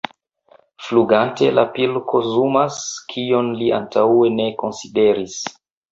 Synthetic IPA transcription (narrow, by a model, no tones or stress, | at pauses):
fluɡante̞lʔa̰pilkʰozumaskʰionliʔa̰ntawe̞ne̞ko̞nside̞ɾis